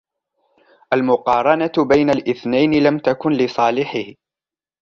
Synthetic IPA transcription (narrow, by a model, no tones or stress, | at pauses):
ʔalmʊqɑːɾˤɑnabajnalʔɪθnajnɪlamt̪akʊnlɪsˤɑːlɪħɪh